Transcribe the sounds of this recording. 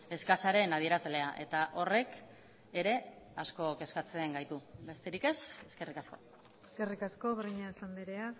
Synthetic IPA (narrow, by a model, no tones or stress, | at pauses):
e̞skasaɾe̞nað̞ie̞ɾazle̞aʔe̞t̪aʔo̞re̞k | e̞ɾe̞ | asko̞ke̞skat͡seŋɡajt̪ube̞st̪e̞ɾike̞se̞ske̞rikasko̞̰ | eskerikasko̞βriɲaesand̪eɾea